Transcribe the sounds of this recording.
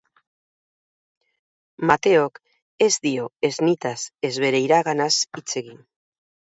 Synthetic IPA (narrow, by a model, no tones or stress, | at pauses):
mat̪e̞o̞k | e̞zd̪io̞eznit̪ase̞zβe̞ɾe̞jɾaɣanasit͡se̞ɣin